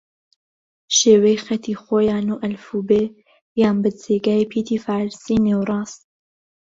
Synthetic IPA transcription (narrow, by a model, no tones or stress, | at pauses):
ʃeːwɛjxɛt̪ʰiːxoːjaːnuːʔɐlfuːbeː | jaːnbɨd͡zeːɡaːjepʰiːt̪ʰiːfaːɾsiːneːwrˤɑːs